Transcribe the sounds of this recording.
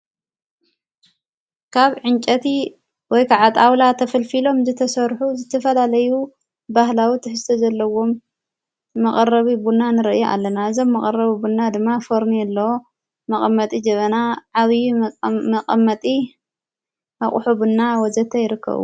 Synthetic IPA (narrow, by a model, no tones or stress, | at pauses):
kʰaβʕɨnt͡ʃʼɐt̪ʰi | wɔjkʰaʕat̪ʼawlat̪ʰɐfɐlfilo̞mzɨt̪ʰɐsɐɾħuzɨt̪ʰɐfɐlalɐju | bahlawit̪ʰɨħɨzt̪ʰɐzɐlːɐwo̞mː | ɐχʼɐrɐβibunanɨɾɐʔjoʔa̰lːɐnaɨzo̞mːɐkʼɐrɐβibunːad̪ɨmːafoɾniɛlːɐwo | mɐkʼɐmːɐt̪ʼid͡ʒɐβɐnaʕaβjmɐkʼɐmːɐt̪ʼi | aχʼʊħubunːawɔzɐt̪ʰːɐjɪɾɨkʰːɐ̰βṵ